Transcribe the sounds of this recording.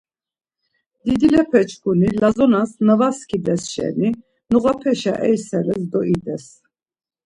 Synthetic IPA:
d̪̥id̪ilɛpʰɛt͡ʃʰkunilazɔnasnəvaskʰid̪ɛsʃɛ̰ni | nuɣapʰɛʃa̰ʔɛjsɛɾɛsd̪ɔid̪ɛs

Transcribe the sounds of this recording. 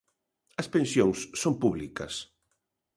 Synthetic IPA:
ɐspẽnsjoŋsːompuβlikɐ̰s

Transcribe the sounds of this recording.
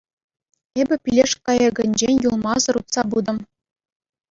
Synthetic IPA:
ebʲɘ̆pʲilʲeʂkɑjɤ̆ɡɘ̆nʲd͡ʑenʲjulˠmɑzɤ̆ɾut̪sɑbud̪ɤ̆m

